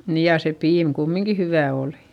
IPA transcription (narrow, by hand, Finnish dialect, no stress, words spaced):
niːj jɑ se piːm kumːiŋki hyʋæˑ oˑli̥